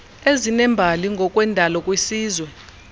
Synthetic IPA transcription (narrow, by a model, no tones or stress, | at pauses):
ezinɛmbʱaliŋɡʱɔkʼwɛndʱalɔkʼwisiːzwɛ